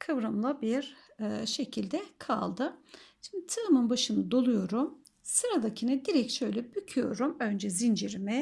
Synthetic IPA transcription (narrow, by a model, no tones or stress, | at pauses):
kʰɯvɾamlˠabiɾʃe̞cʰilʲd̪ɛkʰa̰lˠd̪ɯʃind̪it̪ʰɯːmɯnbaʃɯnɯd̪o̞lˠujo̞ɾum | sɯɾad̪acʰinɯd̪iɾɛc̚ʃø̞jlʲɛbycʰyjo̞̰ɾumø̞nd͡ʒɛzind͡ʒiɾmɛ